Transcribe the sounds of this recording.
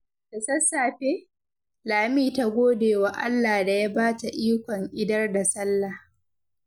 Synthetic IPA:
tɐ˨sɐ˦sːaː˨ɸe˦ | laː˨miː˦ta˦ɡʷoː˦deː˨wa˨ʔa̰˦lːaː˨hda˨ja˦baː˦ta˨ʔiː˦kʷɔ˨ŋʔɪ˦dɐ˦rda˨sɐ˦lːa˨h

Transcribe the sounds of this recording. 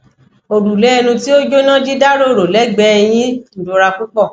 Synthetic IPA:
o˨ɾu˨lɛ˨˦˧nũ˧ti˦o˦d͡ʒo˦nã˦d͡ʒi˦da˦ɾo˦˨ɾo˨lɛ˨˦ɡ͡bɛ˦ɛ˧j̃ĩ˦n̩˨dũ˧˦ɾa˧ku˦k͡pɔ˦˨

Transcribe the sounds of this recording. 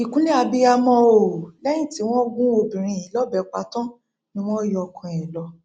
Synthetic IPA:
i˨kũ˨˦nĩ˦a˧bi˧a˧mɔ̃˧o˨lɛ˦j̃ĩ˦˨ti˨˦w̃ɔ̃˦ɡũ˦o˧bĩ˨ɾ̃ĩ˧˨ĩ˨˦lɔ˦bɛ˨˧k͡pa˧tɔ̃˦ | nĩ˦w̃ɔ̃˦jɔ˧kɔ̃˧ɛ̃˨lɔ˧

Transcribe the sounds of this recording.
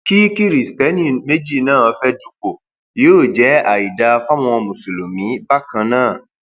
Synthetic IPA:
ki˦ki˦ɾi˨stɛ˨˦nĩ˦˨me˦d͡ʒi˦˨nãː˦˨ɔ˧fɛ˦du˦k͡po˨ | je˨˦o˦˨d͡ʒɛ˨˦a˨i˨da˧˦˧fa˦w̃ɔ̃˧ɔ˧mũ˨so˨lo˨mĩ˨˦ba˦kã˧nãː˦˨

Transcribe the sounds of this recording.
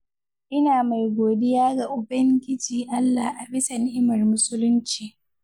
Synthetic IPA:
ʔɪ˦naː˨ma˨jɡʷoː˨dɪ˦jaː˦ɡa˨ʔʊ˨bɐ˦ŋɡʲɪ˦d͡ʒiː˨ʔa˦lːa˨ʔa˨bɪ˦sa˨nɪ˦ʔɪ˦mɐ˨rmʊ˦sʊ˦lʊ˦nt͡ʃiː˨

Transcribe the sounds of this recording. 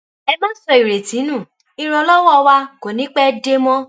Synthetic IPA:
ɛ˧mãː˦sɔ˧i˨ɾe˨tĩ˨˦nũ˦˨ | i˧ɾ̃ɔ˧lɔ˦wɔ˦˧wa˧ko˨nĩ˨˦k͡pɛ˦de˦mɔ̃˦

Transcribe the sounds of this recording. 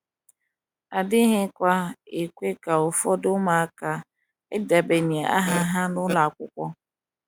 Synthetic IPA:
a˨dɪ˦ɦɪ˦kʷa˦e˨kʷe˦ka˨ʊ˨fɔ˦dʊ˦ma˨˦ka˨ | ɪ˦da˨be˨ni˨a˨a̰˦ɦa˦ɦa˦nʊ˦la˨kʷʊ˦kʷɔ˦

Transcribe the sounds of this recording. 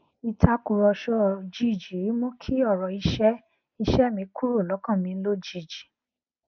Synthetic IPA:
i˧tʰa˧ku˨ɾɔ˧ʃɔ˧˦˨d͡ʒi˨˦˨d͡ʒi˨ɾi˨˦mõ˦kʰi˦ɔ˦˨ɾɔ˨i˧ʃɛ˦ | i˧ʃɛ˦˨mĩ˧˦kʰu˦ɾo˦˨lɔ˨˦kã˦˨mĩ˧n̩˦lo˦d͡ʒi˦˨d͡ʒi˨

